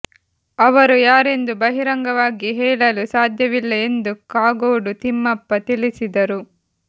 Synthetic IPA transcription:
ɐʋɐɾujaːɾe̞nd̪ubɐɦiɾɐŋɡɐʋaːɡiɦɛːɭɐlusaːd̪ʱjɐʋilːɐe̞nd̪ukaːɡoːɖut̪imːɐpːɐt̪ilisid̪ɐɾu

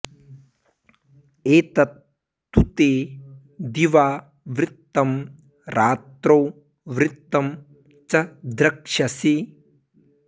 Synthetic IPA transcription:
eːt̪ɐt̪ː | ut̪eː | d̪iʋaː | ʋɾɪt̪ːɐm | ɾʔaːt̪ɾoː | ʋɾɪt̪ːɐm | t͡ʃɐd̪ɾɐkʂɐsi

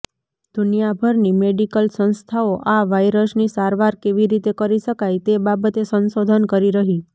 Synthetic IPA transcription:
d̪̥ʱunijabʱəɾnimeɖikəlsənst̪ʰaoʔaʋajɾəsnisaɾʋaɾkeʋiɾit̪ekəɾiʃəkajt̪ebabət̪esənsod̪ʱənkəɾiɾəɦi

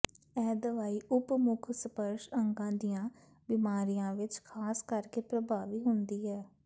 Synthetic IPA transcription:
ɛːd̪əʋaːiːʔʊpmʊkʰsəpəɾʃəŋɡãːd̪ijãː | bɪmaːɾijãːʋɪt͡ʃkʰaːskəɾkeːpɾəbaːʋiːɦʊnd̪iːɦɛː

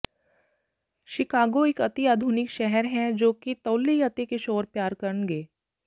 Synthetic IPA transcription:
ʃɪkaːɡoɪkɐt̪iaːd̪ʱʊːnɪkʃɛɦɛɾɦɛ̃d͡ʒoːkit̪ɐːlːiɐt̪ekeʃoːɾpjaːɾkɐɾənɡeː

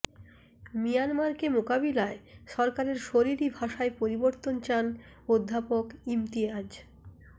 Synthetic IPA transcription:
mijanmaɾkemokabilaeʃɔɾkaɾeɾʃoɾiɾibʱaʃaepoɾiboɾt̪ont͡ɕan | od̪ʱːapokimt̪iad͡ʑ

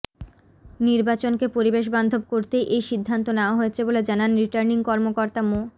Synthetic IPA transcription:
niɾbat͡ɕonkepoɾibeʃ̬band̪ʱob̚koɾt̪ejʔejʃid̪ʱːant̪oneoaɦojet͡ɕʰeboled͡ʑananɾiʈaɾniŋkɔɾmokoɾt̪amo

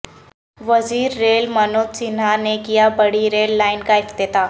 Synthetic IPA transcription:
ʋɐziːɾːeːlmɐnoːd̪sinanekijabɐɽiɾeːlːaːɪnkaɪft̪et̪aː

